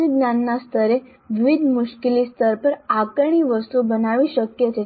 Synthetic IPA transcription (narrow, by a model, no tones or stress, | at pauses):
iɡnanːast̪ʰəɾe | ʋiʋid̪ʱmuɕkiliːst̪ʰəɾpəɾakəɳ̃iːʋəst̪ubənaʋiːɕəkjət̪e